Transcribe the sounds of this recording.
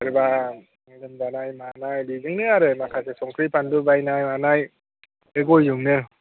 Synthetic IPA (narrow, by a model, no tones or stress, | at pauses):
aɾɯba | lɯmzanajmanajliɡɯŋnɯaɾɯmakʰasesɔŋkʰɾipʰandubajnajmanaj | ɯɡojjɯŋnɯ